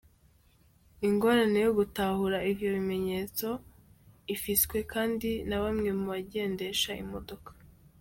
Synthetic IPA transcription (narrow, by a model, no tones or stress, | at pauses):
iŋɡo̞ɾane̞jo̞ɡutahuɾaivjo̞βime̞ɲe̞t͡so̞ | ifiskwe̞kaːndinaβamŋe̞muβaɟe̞ːnde̞ʃaḭmo̞do̞kḁ